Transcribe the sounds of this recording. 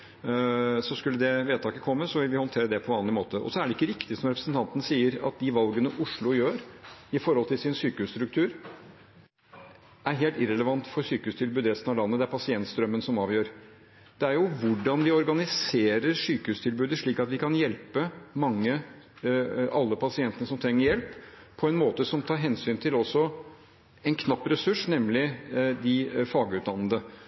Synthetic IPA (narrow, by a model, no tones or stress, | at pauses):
sɔskʉlːəd̪ɛʋeːd̪̚t̪ʰɑːkəkʰɔmːəsɔʋɪlʋɪhɔnt̪ʰeːɾəd̪ɛpʰɔʋɑːnlɪmoːt̪əɔ̰sɔæɖɛɪkːəɾɪkt̪ɪsɔmɾɛpɾəsn̩t̪ʰɑnt̪ənəsiːəɾɑ̰t̪̚d̪ɪʋɑlɡənəʔʊʂɭʊjøːɾɪfɔɾhɔlt̪ʰɪlsɪnsyːkəʉːst̪ɾʉk̚t̪ʰʉːɾ | æɾɦeːlt̪ɪɾɛləʋɑnt̪fɔɾsyːkəʉːst̪ʰɪlbʉːd̪əɾɛsənɑʋlɑnːəd̪ɛæɾpʰɑsɪɛnt̪st̪ɾœmːənsɔmɑːʋjøːɾ | d̪̥ɛæɾjʊʋʊɖɑnʋɪɔɾɡɑnɪseːɾəɾʂyːkəhʉːst̪ʰɪlbʉːd̪əʂɭiːkɑt̪ʋɪkʰɑnjɛlpəmɑŋːə | ʔɑlːəpʰɑsɪɛnt̪ənəsɔmt̪ʰɾɛŋːəɾjɛlpʰː | ɔɛnmoːt̪əsɔmt̪ʰɑːɾɦɛnsyːnt̪ʰɪlɔsːɔ | ɛnkʰnɑpːɾɛsʉʂnɛmlɪd̪ɪfɑːɡəʉt̪d̪ɑnːəd̪ə